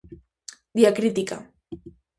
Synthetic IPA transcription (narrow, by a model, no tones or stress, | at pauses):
d̪iakɾit̪ika̰